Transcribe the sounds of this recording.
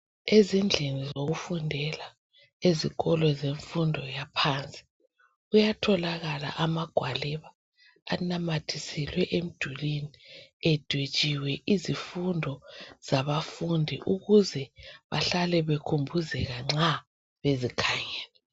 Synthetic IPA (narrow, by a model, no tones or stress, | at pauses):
ezind͡ɮʱenizoɣufundʱɛla | eziɣɔlɔzeɱfundʱɔjapʰaːnt͡sʼi̥ | ɣujatʰɔlaɣala̰ʔamaɡ̥ʱwalɛβaː | namatʰisɛlwɛʔem̩d̥ʱuliniɛd̥ʱwet͡ʃʼiwɛʔizifundʱɔz̥aβafundʱḭʔuɣuzɛβa̰ɬalɛβekʰumbʱuzɛɣaŋ͡ǁa | βezikʰajɛːlɛ